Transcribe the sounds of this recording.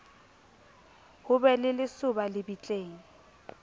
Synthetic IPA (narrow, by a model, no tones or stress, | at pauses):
hʊbɛlɪlɪsʊbalɪbit͡ɬʼeːŋ̩